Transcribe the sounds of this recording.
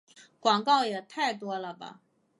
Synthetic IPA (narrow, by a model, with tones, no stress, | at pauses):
kwɑ˨˩ŋkɑ˥˩ʊjɛ˨˩t̪ʰa˥˩ɪt̪wɔ˥lə˨bɐ̰˩